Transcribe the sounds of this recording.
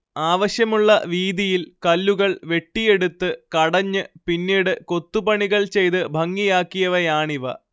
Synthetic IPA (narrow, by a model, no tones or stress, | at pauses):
aːʋɐɕjɐmuɭːɐʋiːd̪ijilkɐlːuɣɐɭʋe̞ʈːije̞ɽut̪ːɨkɐɽɐɲːɨpinːiːɽɨko̞t̪ːubɐɳiɣɐɭt͡ɕe̞jt̪ɨbʱɐŋːijaːkːijɐʋɐjaːɳiʋɐ̰